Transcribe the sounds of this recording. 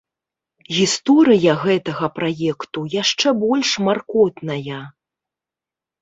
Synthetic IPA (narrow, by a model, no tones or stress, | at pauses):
ɣʲist̪ɔɾɨjɐɣɛt̪ɐɣɐpɾajɛkt̪ujaʂt͡ʂɛbɔlʲʂmarkɔt̪nɐjɐ